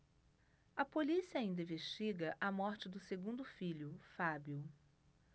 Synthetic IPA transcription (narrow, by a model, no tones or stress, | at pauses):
ɐpolisiaĩnd̪ɐĩveʃt͡ʃiɡɐʔɐmɔɾt͡ʃɪd̪ʊseɡũnd̪ʊfiʎʊfabjʊ